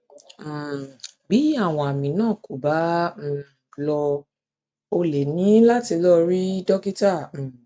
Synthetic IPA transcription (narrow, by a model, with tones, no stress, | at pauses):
bi˨˦a˦˨w̃ɔ̃˧˨a˨mĩ˨nãː˦˨ko˨bã˨˦˧ | lɔ˧ | o˧le˨nĩ˨˦la˦ti˧lɔ˦ɾi˦dɔ˦ki˦ta˦˨